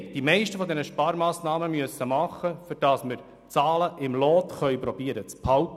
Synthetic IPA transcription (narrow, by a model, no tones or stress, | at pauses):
d̥imɛɪʃtəfɔd̪ɛnəʃpɑːɾmɑːsnɑːməmyəsːəmɑχːəfʏɾd̥ɑsmɪɾ | t͡sɑːləʔɪmlɔːt̪χœʏpɾɔb̥iːəɾət͡spʰhɑwt̪